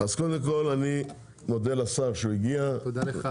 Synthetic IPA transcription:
azkod̪emko̞lani | mo̞d̪elasaʁʃeuiɡiat̪od̪alea

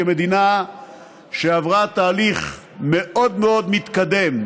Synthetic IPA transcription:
emed̪ina | ʃeavʁat̪aːliχ | me̞ʔo̞d̪meo̞d̪mit̪kad̪e̞m

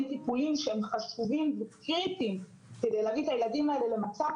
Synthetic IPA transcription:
ntipulimʃeemχaʃuvimvekʁitim | ked̪ejlaːvit̪ajeladimaelele̞mat͡sa

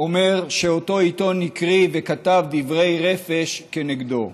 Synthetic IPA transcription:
ome̞ʁʃeo̞to̞it̪o̞nːikʁivekat̪avd̪ivʁe̞jʁefe̞ʃkeneɡd̪o̞̰

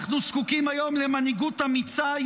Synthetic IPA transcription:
χnuskukimajo̞mlemaniɡut̪amit͡saj

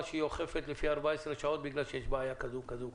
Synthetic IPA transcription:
ʃeioχe̞fet̪lefiaʁbaesʁeʃao̞t̪̚biɡlalʃejeʃbaajakazukazu

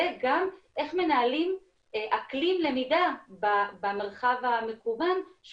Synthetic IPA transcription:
eɡamʔe̞χme̞naːlim | ʔaklimle̞midababame̞ʁχavame̞kuvanʃ

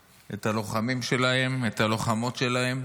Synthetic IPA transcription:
e̞t̪alo̞χamimʃe̞lahe̞met̪alo̞χamo̞t̪ʃe̞lahe̞m

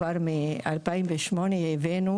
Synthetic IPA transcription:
aɾmealpajnveʃmonejevenu

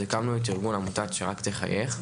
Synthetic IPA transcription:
ekamnuet̬iʁɡunamutat͡sʃeʁakt̪eχa̰jʔeχ

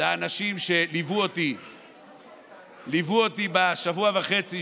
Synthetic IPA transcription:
aːnaʃimʃe̞livuot̪i | livuot̪ibaʃavuavaχe̞t͡si

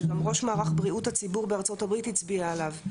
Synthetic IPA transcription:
ɡamʁo̞ʃmaːʁaχbʁiuthat͡sibuʁbeaʁt͡so̞tabʁithit͡sbiaelav

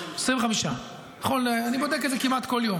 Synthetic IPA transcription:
esʁimveχamiʃa | naχo̞neanibod̪ek̬etzekimat̪ko̞ljom

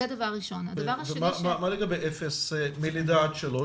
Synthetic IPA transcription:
ed̪ɐavaʁːiʃo̞nad̪ɐvaʁavʃemamamaleɡabejʔefesemilid̪at̪ʃelo

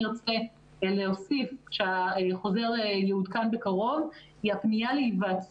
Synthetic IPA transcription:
ʁt͡se | leosifkʃeaeχo̞ze̞ʁejeud̪kanbe̞kaʁo̞v | iapnijaleivaːt͡s

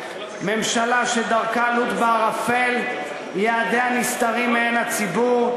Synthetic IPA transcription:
me̞mʃalaʃed̪aʁkalut̪baʁafel | jeːd̪eanist̪aʁimeenat͡sibuʁ

